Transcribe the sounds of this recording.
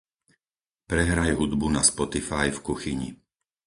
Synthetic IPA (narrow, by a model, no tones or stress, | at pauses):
pɾɛɦɾajɦud̪bunaspɔt̪ifajfkuxiɲḭ